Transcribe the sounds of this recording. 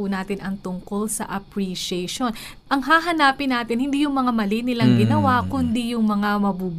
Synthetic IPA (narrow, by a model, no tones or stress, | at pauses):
unaːt̪ɪnʔɐŋt̪ʊŋko̞lsɐ̰ʔɐpɾiʃɛjʃo̞n | ʔɐŋɦaːɦɐnaːpɪnaːt̪ɪnhɪnd̪ijʊŋmɐŋamɐlinɪlɐŋɡɪnɐwakʊnd̪ijʊŋmɐŋamɐbuːb